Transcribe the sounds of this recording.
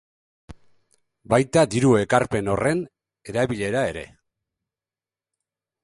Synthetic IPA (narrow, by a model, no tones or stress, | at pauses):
bajt̪ad̪iɾue̞kaɾpe̞no̞re̞n | e̞ɾaβiʎe̞ɾae̞ɾe̞̰